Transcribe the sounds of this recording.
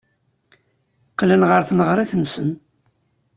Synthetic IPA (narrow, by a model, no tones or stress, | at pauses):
qlənʁəɾθnəʁɾˤiθənsən